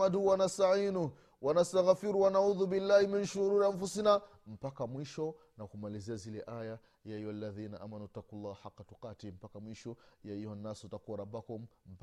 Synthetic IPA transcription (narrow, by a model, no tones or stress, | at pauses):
aduwanastaʕinu | wanastaɣafiɾuwanauːðubilːaːhiminʃuɾuɾaɱfusina | m̩pakamwiʃɔ | nakumaliziazilɛʔaja | jajwalːaðiːnaʔa̰ːmanut̪ːakulːahħaqːatuqaːtim̩pakamwiʃɔjaijɔnːasɔutakuwaɾabakumm̩p